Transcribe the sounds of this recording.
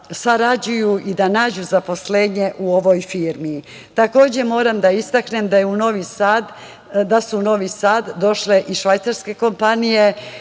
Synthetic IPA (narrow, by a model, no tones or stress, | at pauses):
saɾad͡ʑujuʔid̪anaːd͡ʑuzapo̞sleːɲe̞ʔuo̞ʋo̞jfiːɾmiː | t̪ako̞ːd͡ʑe̞mo̞ːɾamd̪aist̪akne̞md̪ajeuno̞ʋisad̪ | d̪asuno̞ʋisaːd̪ːo̞ʃle̞ʔiʃʋajt̪saɾske̞ko̞mpanije̞